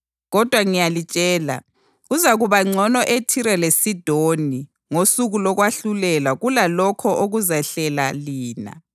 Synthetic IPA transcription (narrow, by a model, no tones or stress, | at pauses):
ɣɔd̥ʱwaŋijalit͡ʃʼɛːla̰ | uzaɣuβaŋ͡ǀʱɔnɔʔetʰiɾɛlesid̥ʱoni | ŋosuɣulɔɣwaɬulɛlaɣulalɔkʰɔʔoɣuzaɬɛla̰liːna̰